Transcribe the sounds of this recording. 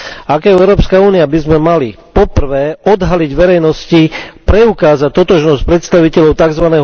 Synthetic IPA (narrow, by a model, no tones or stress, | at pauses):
akɛʊɛʊɾɔːpskauːniabizmɛmalipɔpr̩ʋɛːʔɔd̪ɦaliɟʋɛɾɛjnɔscipɾɛukaːzat̪ːɔt̪ɔʒnɔsc̚pɾɛt̪st̪aʋicɛʎɔʊt̪aɡzʋanɛːɦ